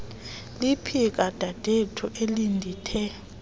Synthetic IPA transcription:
lipʰik̬ʼad̥ʱad̥ʱetʰuʔelindʱiːtʰɛ

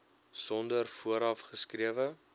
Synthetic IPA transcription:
sɔndərfuəɾɐfχəskriəvə

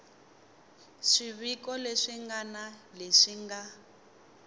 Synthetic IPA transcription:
ʂiβikɔleʂiŋɡanaleʂiŋɡa

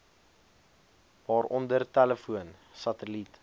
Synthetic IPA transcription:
vɑːɾɔndərtæləfuənsɐtəlit

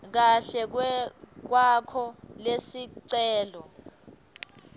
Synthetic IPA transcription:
k̬aɬɛk̬wɛk̬wakʰɔlesiǀɛːlɔ

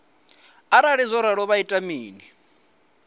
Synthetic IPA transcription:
aɾaɺizʷɔɾaɺɔβaitʼamiːni

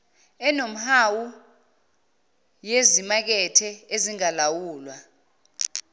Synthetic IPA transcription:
ɛnom̩hawu | jezimak̬ɛtʰɛeziŋalawuːlwa

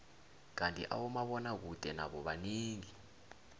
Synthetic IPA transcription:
k̬antʼiʔa̰wumaɓɔnak̬ud̥ʱʼɛna̰ɓɔɓaniːŋi

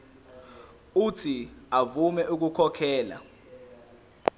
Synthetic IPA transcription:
utʰiavumɛʔuk̬ukʰɔkʰɛːla̰

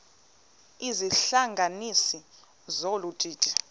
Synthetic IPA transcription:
iziɬaŋɡʱanisi | zolutʼiːtʼi̥

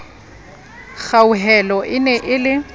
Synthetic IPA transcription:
ɣauɦɛlɔʔɪnɛʔɪlɪ

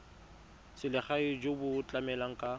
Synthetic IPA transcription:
sɪlɪχaɪd͡ʒobʊt͡ɬʼamɛlaŋ̩kʼa

